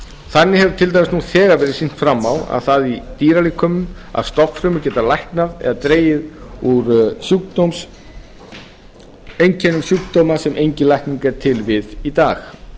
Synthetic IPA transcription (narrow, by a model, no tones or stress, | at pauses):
θanːɪhɛvʏ̥ɾt̪ʰɪlt̪ajmsnuθɛːɣaɾvɛːɾɪsin̥t̪fɾamːawa̰ðθaðit̪iːɾalikʰːœːmʏma̰ðst̪ɔfɾʏːmʏɾcɛːt̪alajhknaðɛ̰ðat̪ɾeːjɪðuɾsjukt̪owms | ejɲcʰɛnʏsjuk̚t̪owmasɛmʔejɲcɪlajhkniŋkaɾt̪ʰɪlvɪðit̪aːx